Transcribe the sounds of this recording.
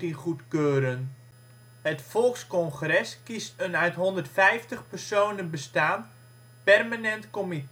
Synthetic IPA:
inχutkøːɾən | hətfɔlˠkskɔnχrɛskistənœɥtɦɔndərtfɛjftəχpərsoːnənbəstaːn | pɛrmanɛntkomit

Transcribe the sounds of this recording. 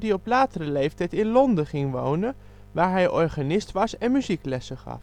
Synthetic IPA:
diɔplaːtərəlejftɛjtɪnlɔndəχɪŋʋo̰wnə | ʋaːɹɦɛjʔɔɹχaːnɪstʋɑsɛnmyziklɛsəχɑ̰f

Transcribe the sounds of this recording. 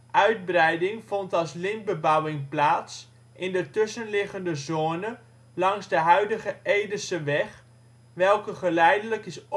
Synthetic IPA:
ʔœɥd̚brɛjdɪŋfɔntɑlˠslɪn̚bəbawɪŋplaːs | ʔɪndətʏsənlɪχəndəzoːnə | lɑŋzdəɦœɥdəχəʔejdəlsəʋɛχ | ʋɛlˠkəχəlɛjdələkɪs

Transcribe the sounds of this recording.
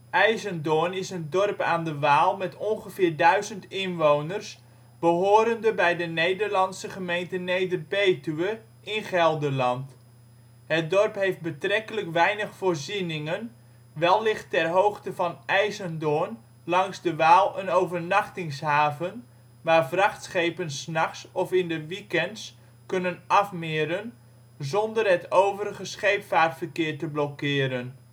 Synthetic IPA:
ʔɛjzəndoːnɪsəndɔrpaːndəʋaːlˠmɛtʰɔnχəfɪːrdœɥzəntɪnʋownərs | b̥əɦoːɾəndəbɛjdənejdərlɑnsəχəmejntənejdərbejtyʋə | ɪnχɛlˠdəlɑnt | ɦət̚dɔrpɦejft̚bətrɛkələkʋɛjnəχfoːrzinɪŋən | ʋɛlˠːɪχtɛrɦowχtəvɑnɛjzəndoːn | lɑŋzdəʋaːlˠənowvərnɑχtɪŋsɦaːvən | ʋaːrvrɑχtsχejpənsnɑχsɔfɪndəʋikɛnts | kɵnənɑfmɪːɾən | zɔndərɦətowvəɾəɣəsχejpfaːtfərkɪːrtəblɔkɪːɾən

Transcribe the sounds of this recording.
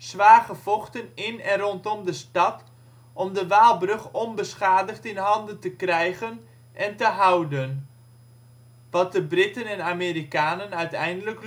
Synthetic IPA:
sʋaːɣəfɔχtənɪnɛnrɔntɔmdəstɑt | ʔɔmdəʋaːlˠbrɵχɔnbəsχaːdəχtɪnɦɑndəntəkrɛjɣən | ʔɛntəɦawdən | ʋɑt̚dəbrɪtənɛnameːɾikaːnənœɥtɛjndələk

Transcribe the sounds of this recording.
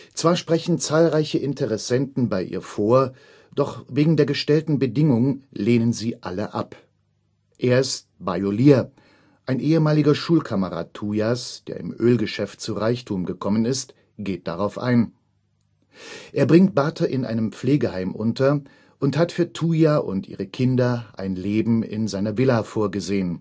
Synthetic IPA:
t͡sv̥aːɐʃpʁ̥ɛçn̩t͡saːlʁaɪçəʔɪntʰəʁɛsɛntn̩baɪʔḭːɐfoːɐ | d̥ɔχveːɡŋ̩deːɐɡəʃtɛltn̩bədɪŋʊŋleːnənziːʔa̰ləʔa̰p | ʔeːɐɪst̚b̥aɪoliːɐ | ʔaɪnʔeːəmaːlɪɡɐʃuːlkʰaməʁa̰ːtʰːuːjasd̥ḛɐɪ̰mʔøːlɡəʃɛftt͡suʁaɪçtʰuːmɡəkʰɔmənɪst | ɡ̥eːt̚d̥aʁaʊfʔa̰ɪn | ʔeːɐbʁɪŋt̚b̥aːtʰɐʔɪnʔa̰ɪnəmp͡fleːɡəhaɪmʔʊntɐ | ʔʊnthatfyːɐtʰuːjaʔʊ̰ntʔḭːʁəkʰɪndɐʔaɪnleːbm̩ɪ̰nzaɪnɐvɪlafoːɐɡəzeːən

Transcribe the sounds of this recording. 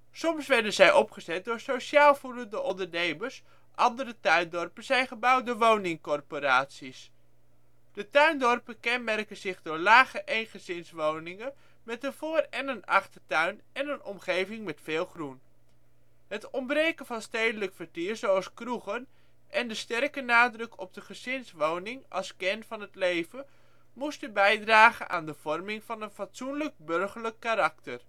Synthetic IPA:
sɔmsʋɛɹdənzɛjʔɔpχəzɛt̚dʊːɹsowʃaːlˠvuləndəʔɔndəɹnejməɹs | ʔɑndəɾətœɥndɔɹpənz̥ɛjχəbɑwdoːɹʋownɪŋkɔrpoɾaːtsis | d̥ətœɥndɔrpəkɛnmɛrkənzɪχdʊːɹlaːχəʔejnχəzɪnsʋownɪŋən | mɛtəvoːrɛnənɑχtətœɥn | ɛnənɔmχejvɪŋmɛtfɪːlˠχrun | ɦətɔmbrejkəvɑnstejdələkfəɹtiːɹzowɑlˠskruχən | ʔɛndəstɛrkənaːdrɵkʰɔ̰b̚dəχəzɪnsʋownɪŋʔɑ̰lˠskɛnfɑnɦətlejvə | mustəbɛjdraːχə̰nʔa̰ːndəv̥ɔrmɪŋvɑnənfatsunlək̚bɵrχəɹləkːaɾɑktər

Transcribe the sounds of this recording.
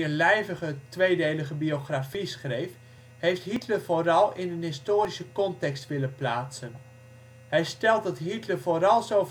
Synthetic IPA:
ənlɛjvəɣətʋejdejləχəbioχrafisχrejf | hejftɦitlərv̥oːrɑlˠɪnənɦɪstoːɾisəkɔntɛkstʋɪlənplaːtsən | hɛjstɛlˠt̚dɑtɦitləvoːɾɑlˠzow

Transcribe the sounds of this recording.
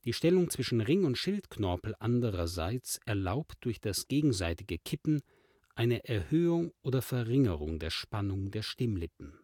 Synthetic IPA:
d̥iːʃtɛlʊŋt͡sv̥ɪʃn̩ʁɪŋʊntʃɪltkʰnɔɐpl̩ʔandəʁɐzaɪt͡sʔɛɐlaʊpt̚d̥ʊɐçd̥asɡ̥eːɡŋ̩zaɪtɪɡəkʰɪpn̩ | ʔaɪnəʔɛɐhøːʊŋʔoːdɐfɛɐʁɪŋəʁʊŋdeːɐʃpanʊŋdeːɐʃtɪmlɪpn̩

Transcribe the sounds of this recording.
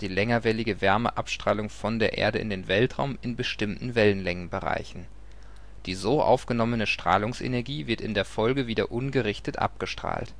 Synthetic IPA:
d̥iːlɛŋɐvɛlɪɡəvɛɐmə̰ʔapʃtʁ̥aːlʊŋfɔndeːɐʔḛːɐdəɪ̰ndeːnvɛltʁ̥a̰ʊmɪnbəʃtɪmtn̩vɛlənlɛŋənbəʁa̰ɪçn̩ | d̥iːzoːʔa̰ʊfɡ̥ənɔmənəʃtʁ̥a̰ːlʊŋsʔḛnɛɐɡiːvɪɐtɪndeːɐfɔlɡəviːdɐʔʊnɡəʁɪçtətʔa̰p̚ɡ̥əʃtʁ̥a̰ːlt

